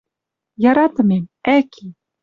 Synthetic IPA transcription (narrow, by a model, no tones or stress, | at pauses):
jɑɾɑt̪ɤ̆memækʰi